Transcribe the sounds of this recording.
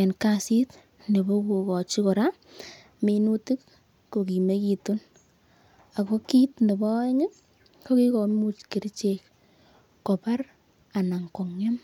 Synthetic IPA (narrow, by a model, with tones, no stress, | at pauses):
e˨nkasi˦t | ne˨bo˦ku˨kɔ˨t͡ʃi˦kɔ˨ɾa˦ | me˨nu˦ti˦k | ko˨ki˨me˦ki˨tu˦n | a˨ko˦ki˦tne˨bɔ˦e˦ŋɪ˦k | ko˦ki˦ko˨mu˦t͡ʃki˨ɾt͡ʃek | ko˨pa˦r | a˨na˨ŋkɔ˨ŋɲɔ˦m